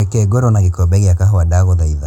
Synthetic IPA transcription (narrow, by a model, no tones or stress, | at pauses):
ekɛɡoɾɔnaɣikɔbɛɣeakaɦoadaɣɔðaiða